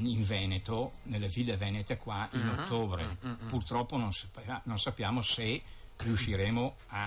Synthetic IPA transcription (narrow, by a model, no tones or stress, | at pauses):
iɱvɛnet̪onelːevilːevɛnet̪ekwainot̪ːoːbɾḛpurt̪ɾɔpːononspnonsapːjaːmoseriuʃiɾeːmo | a